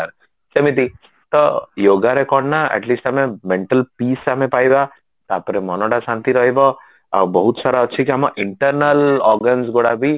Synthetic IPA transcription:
aɾ | səmit̪̬i | t̪ɔjoːɡaɾekɔɾɖnaɛ̰ʈliːsʈamemẽɳʈəlpiːsamẽpaːjba | t̪apəɾemɔnɔɽasãnt̪iɾɔɦibɔ | a̰bɔɦut̪saɾaətːʃʰikiɦamaʔɪɳʈəɾnəlɔɾɡənsɡoɽabʱi

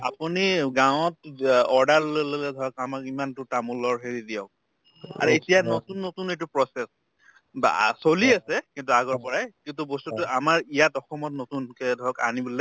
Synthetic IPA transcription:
a̰puniɡawɔtɔɹdaɹllolelɛdʱɔɹɔkamakimantʊtamulɔɹɦeɹidijɔk̚ | a̰ɹuetijanɔtunːotunet̬upɹɔsɛs | ba̰soliasɛkint̬uaɡɔɹpɔɹajkint̬ubɔstutʊamaɹijatɔxɔmɔtnotunkɛdʱɔɹɔka̰nibɔlɛ

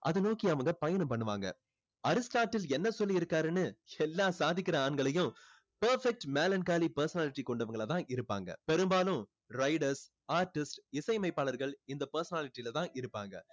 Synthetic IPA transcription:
ʔɐðɯnoːkiɐʋɐŋɡɐpɐjɐnɐmpɐɳːɯʋa̰ːŋɡɐ̰ | ɐɾɪsʈaːʈːɪlɛnːɐsɔlːiɪɾɯkːaːɾɯnɯɛlːaːsaːðɪkːɪɾɐaːɳɡɐɭɐjʊ̃ | pɐɾfɛk̚ʈmeːlɐnkaːlipɐɾsɐnaːlɪʈːikɔɳɖɐʋɐŋɡɐɭɐt̪ãːʔɪɾɯpːa̰ːŋɡɐ̰pɛɾɯmbaːlʊ̃ | ɾɐɪɽɐɾs | aːɾʈːɪsʈɪsɐɪmɐɪpːaːɭɐɾɣɐɭɪnd̪ɐpɐɾsɐnaːlɪʈːilɐt̪ãːʔɪɾɯpːa̰ːŋɡɐ̰

